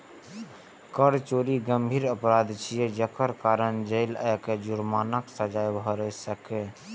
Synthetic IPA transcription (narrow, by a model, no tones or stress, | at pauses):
kəɽt͡ʃoːɾiɡəmbʱiːɾəpɾad̪t͡ʃʰijɛd͡ʒəkəɾkaɾənd͡ʒəɪləjked͡ʒuɾmaːnəksəd͡ʒajbʱɔɾəsəke